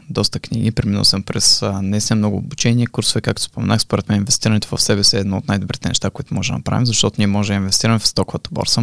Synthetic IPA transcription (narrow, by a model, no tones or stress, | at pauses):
d̪ɔst̪əknʲiɡipɾɛminə̰lˠsəmpɾɛsnɛist̪ʲinmnɔɡʊːbut͡ʃɛniɛkuɾsʊvɛkak̚t̪o̥spomɛ̰naxspoɾɛt̪mɛninvɛst̪iɾənɛt̪ovə̰fsɛbɛsiɛːd̪nɔot̪najd̪obɾit̪ɛnɛ̰ʃt̪akʊit̪ʊmɔʒɛd̪nɐ̰pɾa̰vimzɐʃt̪ɔt̪ʊnʲiɛmɔʒɛd̪əinvɛst̪iɾəmɛfst̪ɔkʊvət̪əbɔ̰ɾsə